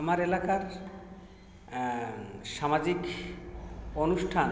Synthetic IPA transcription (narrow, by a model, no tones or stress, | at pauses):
maɾelakaɾ | ʃamad͡ʑik | onuʃʈʰan